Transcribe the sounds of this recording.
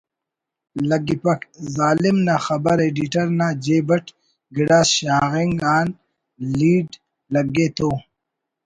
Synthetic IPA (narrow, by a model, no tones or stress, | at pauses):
lɐɡipɐkzaːlɪmnaxɐbɐɾeːɖiʈɐɾnaːd͡ʑeːbɐʈ | ɡiɽaːsɕaːɣiŋɡaːn | liːɖ | lɐɡeːt̪oː